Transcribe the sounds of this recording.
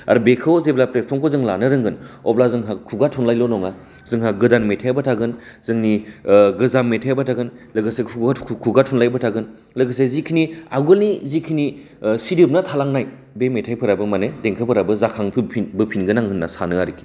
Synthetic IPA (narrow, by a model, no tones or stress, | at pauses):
a̰ɾbekʰɯwzeblapɾepʰɔmkʰozɯŋlanɯɾɯŋɡɯnɔplazɯŋɦakʰuɡatʰunlajlonɔŋa | zɯŋɦaɡɯdanmetʰajbatʰaɡɯnzɯŋniɡɯzamːetʰajbatʰaɡɯnlɯɡɯsekʰukʰuɡatʰunlajbɯtʰaɡɯn | ləɡɯsezikʰinia̰ɡɯlnizikʰini | sidip̚natʰalaŋnaj | bemetʰajpʰɯɾabɯmanedeŋkʰɯpʰɯɾabɯzakʰaŋpʰpʰinbɯpʰinɡɯnaŋhɯnːasanɯaɾiki̥